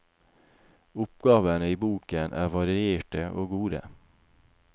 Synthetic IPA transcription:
ʊpɡɑːʋənəiːbuːkənʔæ̰ːʋɑɾɪɪeːʈəʔoːɡuːd̪ə̰

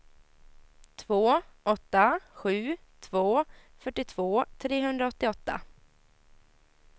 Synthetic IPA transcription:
t̪ʰvoːʔɔt̪ːaɧʉ̟ːt̪ʰvoː | fœʈːɪt̪ʰv̥oːt̪ʰɾeːɦɵnd̪ɾaɔt̪ːɪɔt̪ːa̰

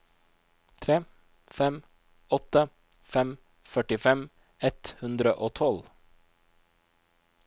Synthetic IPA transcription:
t̪ʰɾeː | fɛm | ɔt̪ə | fɛm | fœʈɪfɛm | ɛt̪hʉnd̪ɾəʔoːt̪ʰɔl

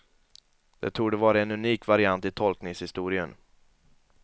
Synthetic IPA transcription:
d̪̥ɛ̰t̪ʰuːɡɖɛvɑːɾaɛnɵniːkvaɾɪant̪ɪt̪ʰɔlknɪŋshɪst̪uːɾɪən

